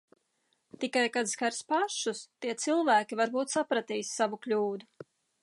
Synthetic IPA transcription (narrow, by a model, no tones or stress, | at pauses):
t̪ikajkat̪skaɾspaʃust̪iɛt̪silˠvæːkʲivaɾbuːt̪sapɾat̪ijsːavuklʲuːd̪u